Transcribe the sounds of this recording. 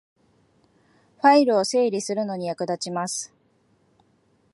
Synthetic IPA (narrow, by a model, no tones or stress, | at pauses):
ɸaiɾɯ̟o̞se̞ːɾʲisɨɾɯ̟no̞ɲ̟ijakɯ̟d̪at͡ɕimasɨ̥